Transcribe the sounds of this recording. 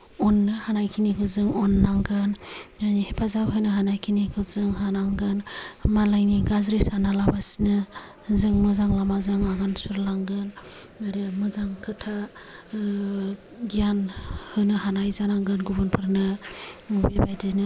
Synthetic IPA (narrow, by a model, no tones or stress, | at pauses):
ɔnːɯhanajkʰinikʰɯzɯŋɔnːaŋɡɯnnihepʰazawɦɯnɯɦanajkʰinikʰɯzɯŋɦanaŋɡɯnmalajniɡazɾisanalabasinɯ | zɯŋmɯzaŋlamazɯŋaɡansuɾlaŋɡɯn | aɾɯmɯzaŋkʰɯtʰa | ɡijanhɯnɯɦanajzanaŋɡɯnɡubunpʰɯɾnɯ | bebajdɯnɯ